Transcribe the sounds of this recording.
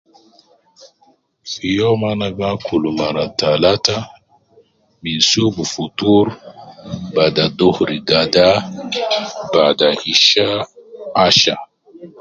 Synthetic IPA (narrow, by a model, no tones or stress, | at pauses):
fijɔmanaɡakʰulumaɾatalata | minsubufutuɾ | badadohɾiɡada | badaiʃaː | ʃa